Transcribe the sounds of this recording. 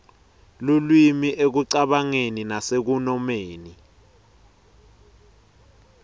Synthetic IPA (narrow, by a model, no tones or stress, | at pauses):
lulwimiʔek̬uǀaɓaŋeninasek̬unɔmeːni